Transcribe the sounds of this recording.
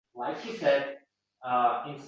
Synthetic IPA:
laɪkɨsɛd̚ | ʌɪ̃nsʰ

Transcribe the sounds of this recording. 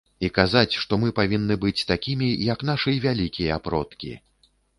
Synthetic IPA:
ikazat͡sʲʂt̪ɔmɨpavʲinːɨbɨt͡sʲt̪akʲimʲijɐknaʂɨjvʲalʲikʲijɐapɾɔt̪kʲḭ

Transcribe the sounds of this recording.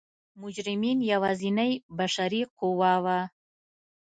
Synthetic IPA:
mʊd͡ʒɾɪminjawɑzinajbaʃaɾiquwɑwa

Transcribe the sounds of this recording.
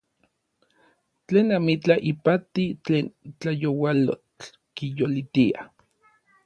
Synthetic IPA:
t͡ɬeːnamit͡ɬaʔipat̪it͡ɬeːnt͡ɬajowalo̰t͡ɬ | kijolit̪ia̰

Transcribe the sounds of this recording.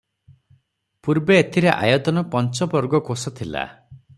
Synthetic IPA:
puɾbeːt̪ʰiɾeʔa̰jɔd̪ɔnɔpɔnt͡ʃɔpɔɾɡɔkosɔt̪ʰila̰

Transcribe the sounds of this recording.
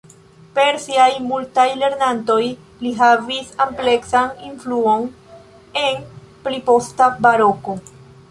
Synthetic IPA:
pe̞ɾsiajmultajle̞ɾnanto̞j | liɦavisample̞ksaninfluo̞n | e̞n | pɾipo̞stabaɾo̞ko̞

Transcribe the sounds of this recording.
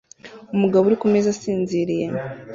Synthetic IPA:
umuɡaβouɾikumezasiːnziɾije

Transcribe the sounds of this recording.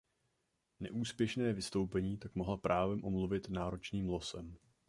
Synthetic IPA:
nɛ̰ʔuːspjɛʃnɛːvɪst̪o̞wpɛɲiːt̪akmoɦlapɾʔaːvɛmʔomluvɪt̪naːɾo̞t͡ʃniːmlo̞sɛm

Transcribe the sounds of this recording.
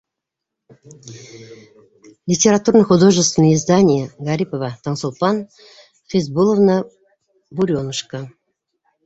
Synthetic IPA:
lʲɪtʲeɾat̪urnəjχud̪o̞ʐɨst̪vʲɪnəjɪzd̪anʲɪjəɡaɾʲipovət̪ʰənsulˠpɑn | fʲezbulˠəvnə | buɾʲonəʂkə

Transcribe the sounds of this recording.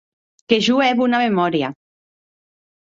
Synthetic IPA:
keʒuɛβunamemɔɾja

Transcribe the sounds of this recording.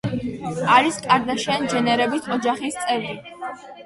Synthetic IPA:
aɾiskʼaɾd̪aʃɛnd͡ʒɛnɛɾɛbit̪ʰɔd͡ʒaχist̪sʼɛvɾi

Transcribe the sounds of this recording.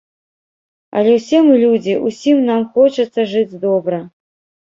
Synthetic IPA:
ɐ̰lʲɛwsʲɛmɨlʲud͡zʲiʔusʲimnamxɔt͡ʂɐt̪sːɐʐɨd͡zʲd̪ɔbɾɐ

